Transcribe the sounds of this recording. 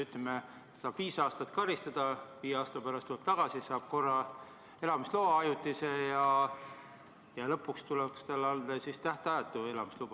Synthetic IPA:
yt̪leme | sɑːb̥viːsɑːst̪ɑt̪ːˑkɑɾist̪ɑd̪̥ɑviːjeɑːst̪ɑpæɾɑst̪uleb̥̚t̪ɑɡ̥ɑsisɑːb̥ko̞rːɑ | e̞lɑmisloːɑjut̪ːˑisejɑ | jɑlɤpːukst̪ulekst̪ɑlːɑnd̪̥ɑsist̪æht̪eɑjet̪ːˑue̞lɑmislub̥ɑ

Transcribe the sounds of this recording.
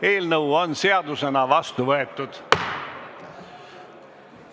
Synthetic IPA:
e̞ːlnɤwo̞nseɑd̪use̞nɑvɑst̪uvɤet̪ːˑud̪̥

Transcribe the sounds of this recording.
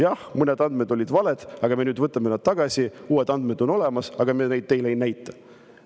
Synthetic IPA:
jɑhmɤned̪̥ɑnd̪me̞d̪o̞lʲid̪vɑle̞d̪̥ɑɡ̥ɑme̞nyːd̪vɤt̪ːˑɑme̞nɑd̪̥̚t̪ɑɡ̥ɑsʲiuːwe̞d̪ɑnd̪̥me̞d̪̥o̞no̞le̞mɑsɑɡ̥ɑmene̞jd̪̥̚t̪ːejleejnæjt̪ːˑɑ̥

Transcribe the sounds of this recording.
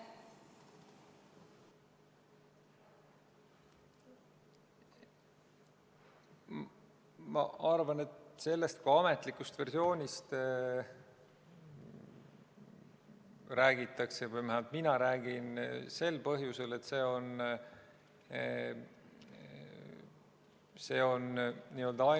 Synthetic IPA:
mɑ̰ʔɑrvɑne̞t̪se̞lːe̞st̪̚kɑɑme̞t̪ˑlikːˑust̪ve̞rsio̞ːnʲist̪ | ræːɡit̪ːˑɑkse̞vɯjmæhælt̪minɑɾæːɡinse̞lpɤɦjuse̞le̞t̪ːse̞ːo̞n | se̞ːo̞nniːø̞ld̪ɑɑ

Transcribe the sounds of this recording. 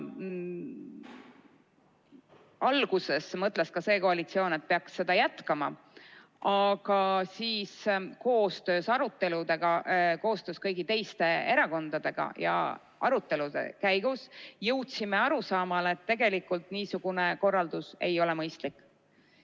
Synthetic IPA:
ɑlɡ̥use̞smɤt̪ːˑleskɑse̞ːko̞ɑlit̪sio̞ːne̞t̪̚peɑksːe̞d̪̥ɑjæt̪kɑmɑ̰ | ʔɑɡ̥ɑsiːsko̞ːst̪ø̞ːsɑɾut̪ːe̞lud̪̥e̞ɡ̥ɑko̞ːst̪ø̞ːskɤjɡit̪e̞jst̪e̞e̞ɾɑko̞nd̪̥ɑd̪̥e̞ɡ̥ɑ̰jɑ̰ | ʔɑɾut̪ːˑe̞lud̪̥e̞̰kæjɡusjɤwt̪ʲsime̞ɑɾusɑːmɑlet̪ːe̞ɡe̞likːˑult̪niːsuɡ̥une̞ko̞rːɑld̪̥use̞jo̞lɛmɤjst̪likːˑ

